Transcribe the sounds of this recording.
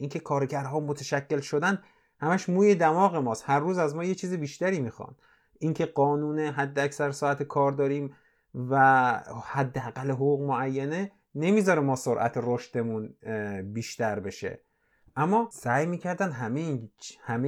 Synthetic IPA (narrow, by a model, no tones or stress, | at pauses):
ʔiŋcʲʰe̞kʰɒːɾeɟæɾɦɒːmot̪ʰæʃæcʰːe̞lʃo̞d̪æn | hæmæʃmuːje̞d̪æmɒːɣe̞mɒːst̪hæɾːuːzæzmɒːjet͡ʃʰiːzibiːʃt̪æɾiːmiːxɒ̰n | iŋcʰe̞ɢɒːnuːneɦæd̪ːeæcsæɾsɒːæt̪ʰekʰɒːɾd̪ɒːɾiːm | væhæd̪ːeæɣælːeɦoɣuːɣmoæjːæne̞ | ne̞miːzɒːɾemɒːsoɾʔæ̰t̪ʰeɾoʃt̪e̞munbiːʃt̪æɾbe̞ʃe̞̰ | ʔæmːɒːsæjmiːcʰæɾd̪ænd̪ɦæmeinhæme